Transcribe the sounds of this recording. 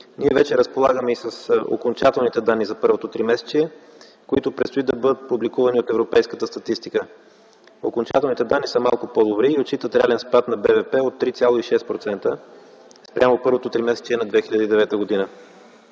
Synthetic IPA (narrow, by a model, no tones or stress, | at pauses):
niɛvɛt͡ʃɛɾəspolˠaɡəmɛisəso̰kont͡ʃat̪ɛlˠnit̪ɛd̪anːizɐpɤɾvot̪ot̪ɾimɛsɛ̥t͡ʃiɛ | koit̪ʊpɾɛt̪st̪oid̪ɐbɤd̪ət̪̚publikuvɐniot̪ɛvɾopɛjskət̪əst̪ɐt̪ist̪ikə | okont͡ʃat̪ɛlˠnit̪ɛd̪anːisəmalˠkʊpɔd̪obɾiːot͡ʃit̪ət̪ɾɛalɛnspat̪nɐbɛvɛpɛot̪ːɾit̪sʲjalˠoiʃɛst̪pɾot̪sɛnt̪ə | spɾʲʔamopɤɾvot̪ot̪ɾimɛsɛ̥t͡ʃiɛnɐd̪vɛxilʲəd̪əid̪ɛvɛt̪əɡod̪inə